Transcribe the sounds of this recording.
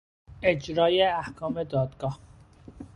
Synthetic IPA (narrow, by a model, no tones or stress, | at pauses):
ed͡ʒɾɒːjeæhkʰɒːmed̪ɒːd̪ɡɒːh